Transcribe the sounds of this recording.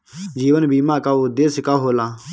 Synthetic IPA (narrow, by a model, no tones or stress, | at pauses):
d͡ʒiːʋənbiːmãːkaːd̪eːsɪkaːɦoːlãː